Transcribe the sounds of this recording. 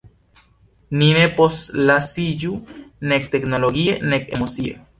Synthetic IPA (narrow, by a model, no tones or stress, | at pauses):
nineposlasijunek̚t̪eknoloɣienekḛmosia̰